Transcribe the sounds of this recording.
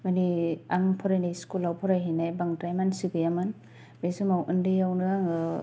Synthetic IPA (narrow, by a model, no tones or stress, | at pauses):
maniaŋpʰɔɾajnajskulawpʰɔɾajɦinajbaŋtɾajmansiɡɯjaman | besɯmawʔɯndɯjawnɯaŋɯ